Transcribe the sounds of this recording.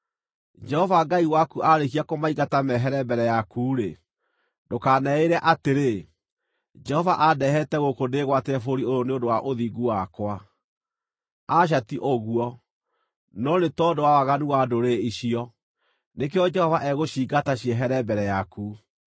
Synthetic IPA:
d͡ʒɛhɔvaɡaiwakuʔaɾekiakomaiɡatamɛɦɛɾɛbɛɾɛjakuːɾe | dokanɛeɾɛʔateɾe | d͡ʒɛhɔvaʔadɛɦɛtɛɣokodeɣwateɛfoɾioɾoneondowaʔoðiːɡuwakwa | aɕ̬atiʔoɣuɔ | nɔnetɔdowawaɣanuwadoɾeiɕiɔ | nekeɔd͡ʒɛhɔvaʔɛɣoɕiːɡataɕiɛɦɛɾɛbɛɾɛjaku

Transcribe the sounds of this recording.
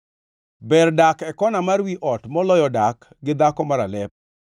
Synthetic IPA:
bɛrdakɛkɔnamaɾwiʔɔtmɔlɔjɔdak | ɡɪd̪akɔmaɾalɛp̚

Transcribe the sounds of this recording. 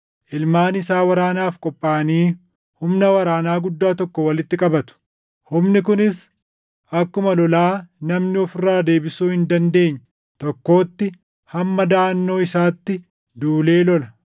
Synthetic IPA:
ʔɪlmaːnɪsaːwɐɾaːnaːfkʼɔpʼːaːɐniː | hʊmnɐwɐɾaːnaːɡʊd̪ːaːt̪ɔkːɔwɐlɪt̪ːɪkʼɐbɐt̪ʊ̥ | hʊmnɪkʊnɪs | ʔɐkːʊmɐlɔlaːnɐmnɪɔfɪrːaːd̪e̞ːbɪsuːhɪnd̪ɐnd̪e̞ːɲːɐ̥ | t̪ɔkːo̞ːt̪ːɪ | hɐmːɐd̪aːnːo̞ːɪsaːt̪ːɪ | d̪uːle̞ːlɔlɐ

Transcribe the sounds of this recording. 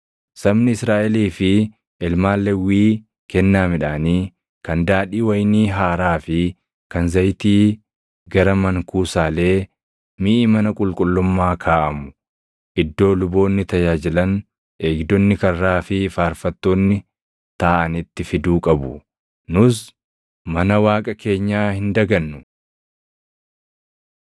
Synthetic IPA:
sɐbnɪɪsɾaːʔɛliːfɪ | ɪlmaːlːɛwiː | kɛnːaːmɪᶑaːniː | kɐnd̪aːᶑiːwɐjniːɦaːɾaːfɪ | kɐnzɐjt̪iː | ɡɐɾɐmɐŋkuːsaːle̞ː | miːʔmɐnɐkʼʊlkʼʊlːʊmːaːkʰaːʔɐmʊ̥ | ʔɪd̪ːo̞ːlʊbo̞ːnːɪt̪ɐjaːd͡ʒɪlɐn | ʔeːɡd̪ɔnːɪkɐrːaːfɪfaːɾfɐt̪ːoːnːɪ | t̪aːʔɐnɪt̪ːɪfɪd̪uːkʼɐbʊ | nʊs | mɐnɐwaːkʼɐkʰe̞ːɲːaːhɪnd̪ɐɡɐnːʊ

